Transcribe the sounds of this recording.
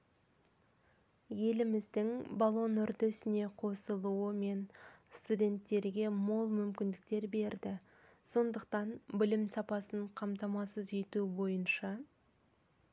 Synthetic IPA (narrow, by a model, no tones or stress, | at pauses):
je̞lɪmɪzd̪ɪŋbalˠo̞nʏɾd̪e̞sɪne̞qʰo̞səlˠuəme̞nst̪udʲe̞nt̪ːe̞ɾɡʲe̞mo̞lˠmʏmkʲɪnd̪ɪk̚t̪e̞ɾbe̞ɾd̪ɪ | so̞nd̪əq̚t̪ɑnbɪlɪmsɑpɑsəɴqʰɑmt̪ɑmɑsəze̞t̪ubo̞jənʃɑ